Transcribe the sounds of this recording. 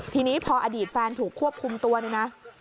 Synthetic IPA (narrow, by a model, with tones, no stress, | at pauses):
t̪ʰiː˧niː˦˥pʰɔː˧ʔaː˧diː˨˩t̪̚fɛː˧nt̪ʰuː˨˩kʰːu˥˩əp̚kʰu˧mt̪u˧ɐna˦˥jna˦˥